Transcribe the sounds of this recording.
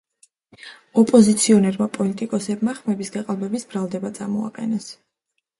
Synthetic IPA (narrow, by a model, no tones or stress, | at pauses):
ɔpʼɔzit̪sʰiɔnɛɾmapʼɔlit̪ʼikʼɔsɛb̚maχmɛbisɡaqʼalˠbɛbisbɾalˠd̪ɛbat̪sʼamɔa̰qʼɛnɛs